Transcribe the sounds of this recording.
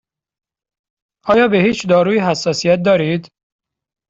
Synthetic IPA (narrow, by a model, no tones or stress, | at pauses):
ʔɒːjɒːbehiːt͡ʃd̪ɒːɾuːiɦæsːɒːsijæt̪̚d̪ɒːɾiːd̪